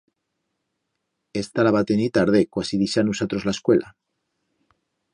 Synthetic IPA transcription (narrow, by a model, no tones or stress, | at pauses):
e̞st̪alaβat̪enit̪aɾðekwasiðiʃanusat̪ɾo̞zlaeskwe̞lʔa̰